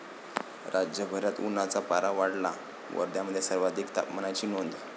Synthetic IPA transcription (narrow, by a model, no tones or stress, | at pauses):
ɾad͡ʑjəbʱəɾjat̪unat͡sapaɾaʋaɽla̰ | ʋə̰ɾd̪jaməd̪ʱːjesəɾʋad̪ʱikt̪a̰pmənat͡ɕiːnond̪